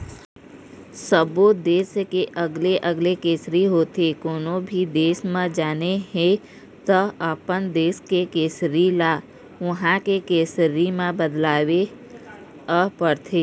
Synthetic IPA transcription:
səbod̪eːskeʔəɡleʔəɡlekeːsɾiɦoːt̪ekoːnõbʱid̪eːsmãd͡ʒaːneɦẽ | t̪əaːpənd̪eːskekeːsɾilaː | ʋʊɦãkekeːsɾimãbəd̪laːʋe | əpəɾt̪ʰeː

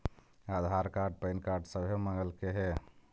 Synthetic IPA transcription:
ad̪ʱaːɾkaːɾɖ̚pəɪnkaːɾɖsəbʱeməŋɡəlkeɦɛ

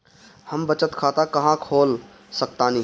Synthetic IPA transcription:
həmbət͡ʃət̪kʰat̪akəɦãkʰoːl | sək̚t̪ani

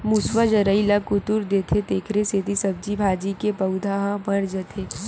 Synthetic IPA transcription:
mʊsʋəd͡ʒɐɾəilakʊt̪ʊɾd̪et̪ʰet̪eːkʰɾesed̪ʱisɐb̚d͡ʒibʱaːd͡ʒikepɐʊd̪ʱaɦãbɐɾd͡ʒət̪ʰeː

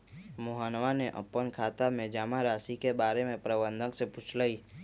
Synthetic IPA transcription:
moɦaːnʋaneʔə̰pːənkʰaːt̪amẽd͡ʒaːmaɾaːsikebaːɾemẽpɾəbə̃nd̪ʱəŋksepʊt͡ʃʰlaiː

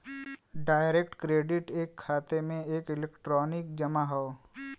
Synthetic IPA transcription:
ɖaːɪɾekʈkɾeːɖɪʈeːkʰːaːt̪emẽeːkɪlekʈɾɔːnɪk̚d͡ʒɐmaɦoː

